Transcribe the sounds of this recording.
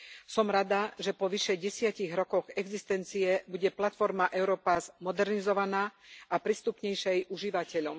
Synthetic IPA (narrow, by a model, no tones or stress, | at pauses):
sɔmɾad̪aʒɛpɔʋiʃɛɟɛsɪaciɣɾɔkɔɣɛɡzist̪ɛnt͡siɛbuɟɛplat̪fɔɾmaʔɛʊɾɔːpazmɔd̪ɛɾnizɔʋanaːʔapɾiːst̪upɲɛjʃɛjuʒiʋacɛʎɔm